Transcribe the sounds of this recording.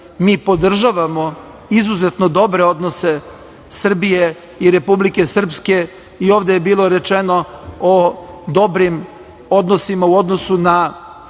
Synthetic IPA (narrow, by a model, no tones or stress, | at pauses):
miːpo̞d̪r̩ʒaʋamo̞ | izuzet̪no̞d̪o̞bɾe̞o̞d̪no̞se̞ | sr̩bije̞ | iɾe̞publike̞sr̩pske̞ | io̞ːʋd̪ejebiːlˠo̞ɾe̞t͡ʃeno̞od̪o̞bɾim | o̞d̪no̞simauo̞d̪no̞suna